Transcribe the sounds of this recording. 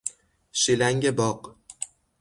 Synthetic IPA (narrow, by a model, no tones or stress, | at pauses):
ʃilaŋɡʲɪbɒq